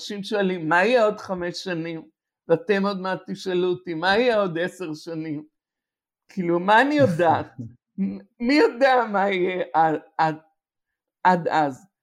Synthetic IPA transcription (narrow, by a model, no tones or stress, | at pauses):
ʃimʃoalimːaijeo̞dχame̞sːanim | veat̪e̞mo̞d̪mat̪iʃalut̪imaijeo̞d̪ese̞ʁʃanim | kʰiːlumaːnijodaːt | mijodeamaijeʔaad | ʔadaz